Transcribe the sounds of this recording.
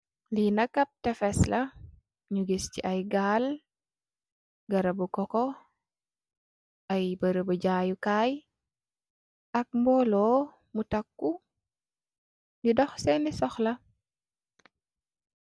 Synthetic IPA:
linɐkɐp̚tɛfɛslɐ | ɲuɡisciʔɐjɡaːl | ɡɐɾɐbukɔkɔ | ʔɐjbəɾəbɐɟaːjukaːj | ʔɐk̚mbɔlɔː | mutɐkːu | didɔxsɛnisɔxlɐ

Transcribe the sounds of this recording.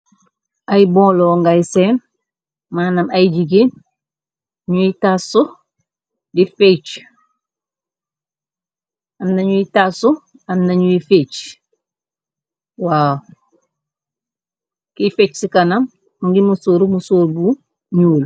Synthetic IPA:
ajbõːloːŋɡaisen | manamaiɟiɡeːn | ɲuitaso | difet͡ʃ | anːaɲuitasu | anːaɲuifet͡ʃ | wa | kifet͡ʃsikanam | uŋɡimusoːɾumusoːɾbu | ɲuːl

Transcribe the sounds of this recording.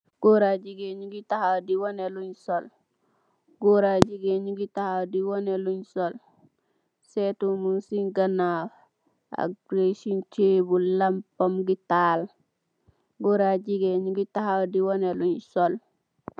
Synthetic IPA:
ɡ̥oɾaɟiɡeɲuɡitahadiwoneluɲsol | ɡoɾad͡ʒiɡeɲuɡitahadiwoneluɲsol | setumunsiŋɡana | a̰ɡɾesint͡ʃebulampomɡitaːl | ɡoɾaɟiɡeɲuɡitahadiwoneluɲsol

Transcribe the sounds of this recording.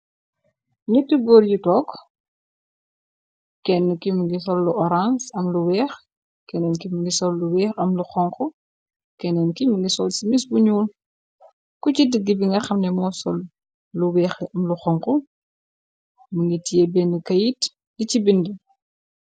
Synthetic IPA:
nitːiɡɔɾjutɔːk | kɛnːəkimiŋɡisɔlːuʔɔɾansɐmluwɛːx | kɛnɛnkimiŋɡisɔlːuwɛːxɐmluxɔŋku | kɛnɛnkimiŋɡisɔːlsimisbuɲuːl | kucidəɡːibiŋɡɐxɐmnɛmɔːsɔlː | uwɛːxɐmluxɔŋku | məŋɡitijebɛnikɐjit | licibindi

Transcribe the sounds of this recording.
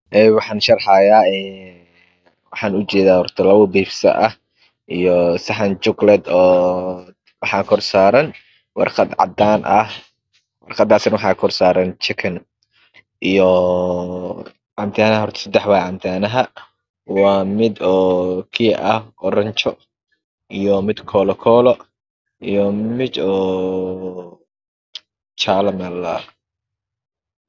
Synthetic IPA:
ʔɛwɑħɑːnʃɐrħajaːɛː | wɑħɑːnʊt͡ʃɛːðaːhɔrt̪ʰɐlɐβʊbiːfsɐ̰ʔɐh | ʔijɔsɐħɐnt͡ʃʊɡlɛd̪ɔː | wɑħɑːkʰɔrsaːɾɐn | wɑ̰rqɑd̪ʕɑ̰d̪aːnʔɐh | wɑrqɑd̪aːsnwɑħɑːkʰɔrsaːɾɐnt͡ʃɪkʰɐn | ʔijɔ | ʕɑnt̪ʰaːnɐɐɦɔrt̪ʰɐ̥sɐd̪ɛħwaːʕɑnt̪ʰaːnɐɦɐ | wɑːmɪd̪ɔːkʰɪjɐʔɐhɔɾɐɲt͡ʃɔ | ijɔmɪd̪kʰɔːlɔkʰɔːlɔ | ʔijɔmɪd̪ɔː | t͡ʃaːlɐmɛːlɐ̰

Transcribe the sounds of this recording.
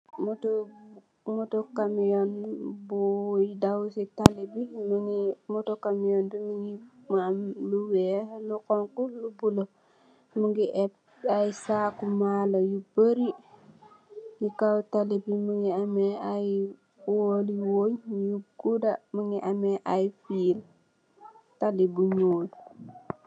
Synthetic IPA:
moto | mutokamijɔnbujidawsitalebimuŋimutokamijɔndumiŋimamluwelukɔŋkulubulo | muŋɡiʔɛp | ajisakumalojubəɾi | jikawtalebimuŋiameaj | woliwoɲjuɡudamuŋiʔameʔajfiːl | talibuɲoːl

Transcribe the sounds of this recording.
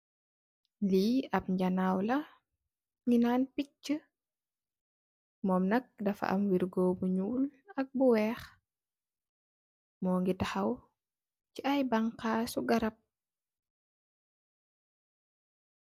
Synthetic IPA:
liɐp̚ɲɟanawlɐ | ŋinaːnpik̚t͡ʃə | mɔːmnɐk̚dɐfɐ̰ʔɐ̰mwiɾɡɔbuɲuːlɐk̚buwɛːx | mɔːŋɡitɐxɐw | ciɐjbaŋkaːsuɡɐɾɐp̚

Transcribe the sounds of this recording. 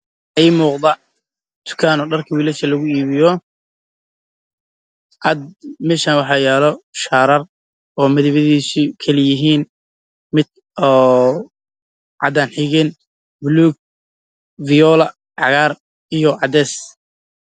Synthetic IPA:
ʔɛjmuːqd̪ɐ | t̪ʰʊ̥kʰaːnɔːɖɐrkʰɐwiːlɛt͡ʃɐlɐɣʊiːβɪjɔ | ʕɑd̪mɛːʃaːnwɑħɑːjaːlɔʃaːɾɐr | ɔːmɐðɪβɐðiːsikʰɐlɪjɪɦiːn | mɪd̪̚ | ɔː | ʕɑ̰d̪aːnħɪɣɛn | bʊluːɡ̚ | vɪjɔːlɐ | ʕɑɣaːr | ijɔʕɑd̪ɛːs

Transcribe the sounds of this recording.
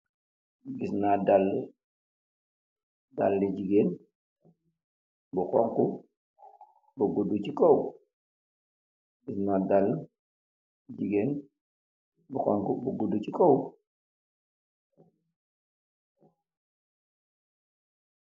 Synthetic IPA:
ɡisnadalː | dalːid͡ʒiɡen | bukɔŋku | buɡudut͡ʃikow | ɡisnadalː | d͡ʒiɡen | bukɔŋkubuɡudut͡ʃikow

